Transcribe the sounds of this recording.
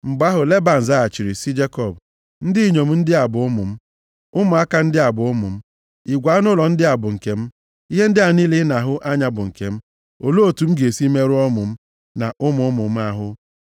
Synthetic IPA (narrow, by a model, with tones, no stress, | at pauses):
m̩˨ɡ͡ba˦ɦʊ˨le˦ba˨n̩˨za˦˨t͡ʃi˨ɾi˨sɪ˦d͡ʒe˦kɔ˨b̚ | n̩˦dɪ˦i˦˨ɲo˨m̩˦n̩˦dɪ˦a˨bʊ˨ʊ˦mʊ̰˨m̩˦ | ʊ˦mʊ˨a˦ka˦n̩˦dɪ˦a˨bʊ˨ʊ˦mʊ̰˨m̩˦ | i˨ɡʷa˨˦nʊ˦lɔ˨n̩˦dɪ˦a˨bʊ˨ŋ̩˨ke˨m̩˦ | i˦ɦe˦n̩˦dɪ˦a˨ni˦lɪ˦na˨ɦʊ˦ʔa˦ɲa˨bʊ˨ŋ̩˨ke˨m̩˦ | o˨lo˦o˨tu˨m̩˦ɡe˨si˦me˦ɾʊ˦ɔ˦mʊ̰˨m̩˦ | na˨ʔʊ˦mʊ˨ʊ˦mʊ˨m̩˦a˦ɦʊ˦